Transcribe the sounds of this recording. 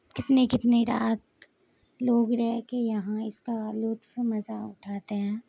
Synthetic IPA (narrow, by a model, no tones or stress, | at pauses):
kɪt̪nekɪt̪neɾaːt̪ | loːɡɾɛɦkejɐɦãɪskalʊːt̪fmɐzaʊʈʰaːt̪eɦɛ̃ː